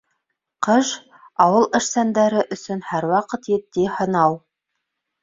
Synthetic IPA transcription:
qɤʒ | ɑwɤlˠɘ̆ʃsænd̪æɾɘʔɵ̆sɵ̆nhæɾwɑqɤt̪jɘ̆t̪ːihɤ̆nɑw

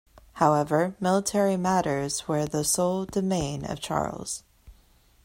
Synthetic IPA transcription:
haʊɛvə˞mɪlˠətʰɛɹimæɾə˞z̥wə˞ðəsoʊlˠdɨmẽɪ̃nʌ̰v̥t͡ʃʰɑ̰ɹlˠz̥

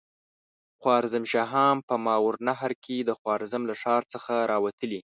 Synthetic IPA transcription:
xwɑɾzamʃɑɦɑmpəmɑwɾnaɦɾkʰed̪əxwɑɾzamlaʂɑɾt͡səxaɾɑwat̪əli

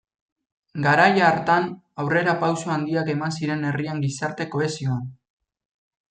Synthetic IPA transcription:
ɡaɾajaɾt̪an | awre̞ɾapawsoand̪iake̞mansiɾe̞ne̞riaŋɡisaɾt̪e̞ko̞e̞sio̞an

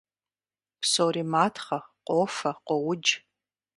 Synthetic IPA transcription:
psoɾiːmaːtʰχɐqʷʼoːfɐqʷɔwʊd͡ʒ

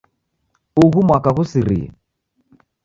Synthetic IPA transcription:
uɣumwakaɣusiɾḭɛ̰

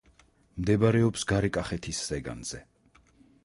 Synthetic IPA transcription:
md̪ɛbaɾɛɔpsɡaɾɛkʼaχɛt̪ʰisːɛɡa̰nz̥ɛ

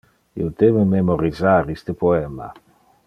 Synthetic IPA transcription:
ḭod̪evememoɾizaɾist̪əpoɛma̰

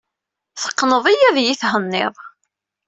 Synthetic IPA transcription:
θə̥qːnəðˤijæðjiθhənːɪ̰ðˤ

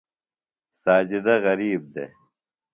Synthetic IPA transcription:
saːd͡ʑid̪ɐɣɐɾiːb̚d̪ḛ

